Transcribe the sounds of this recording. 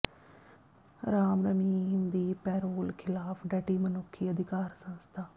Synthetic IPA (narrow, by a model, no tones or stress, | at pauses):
ɾaːmɾəmiːmd̪iːpɛːɾoːlkʰɪlaːpʰɖəʈiːmənʊkʰːiːəd̪ɪkaːɾsə̃nst̪ʰaː